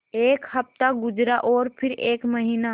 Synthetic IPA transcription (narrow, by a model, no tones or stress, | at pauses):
eːkhɐp̚t̪aɡʊd͡ʒɾaʔɔːɾpʰɪɾeːkmɐɦiːna